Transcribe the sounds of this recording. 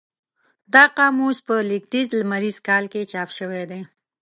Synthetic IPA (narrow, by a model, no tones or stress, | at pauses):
d̪ɑqɑmuspəlɪk̚t̪izlamaɾiz̥kɑlket͡ʃɑpʃəwed̪e